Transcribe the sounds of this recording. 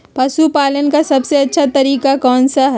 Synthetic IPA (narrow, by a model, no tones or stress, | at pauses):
pɐʃupaːlənkasɐbseɐtːʃʰat̪ɐɾiːkakɔːnsaɦ